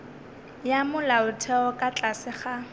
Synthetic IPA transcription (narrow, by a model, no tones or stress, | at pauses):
jamʊlaʊtʰɛɔkʼat͡ɬʼasɪχa